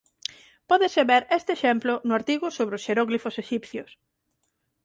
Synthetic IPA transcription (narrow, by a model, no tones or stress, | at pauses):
pɔðeseβeɾest̪eʃemplʊnʊaɾt̪iɣʊsoβɾeʊsʃeɾɔɣlifoseʃipθjos